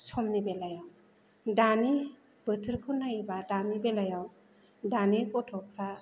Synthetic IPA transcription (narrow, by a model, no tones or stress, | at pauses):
sɔmnibelajaw | dani | bɯtʰɯɾkʰɯnajbadanibelajaw | danikɔtʰɔpʰɾa